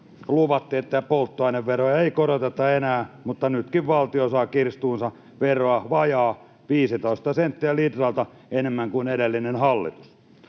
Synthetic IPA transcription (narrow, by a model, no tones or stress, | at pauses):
luʋɑt̪ːiet̪ːææpolt̪ːoɑineʋʋerojɑeikoɾot̪et̪ːɑenæːmut̪ːɑnyt̪kiʋʋɑlt̪iosɑːkirst̪uːnsɑ | ʋeroɑʋɑjɑː | ʋiːsit̪oist̪ɑsent̪ːiælit̪rɑlt̪ɑ | enemːæŋkuinedelːinenhɑlːḭt̪u̥s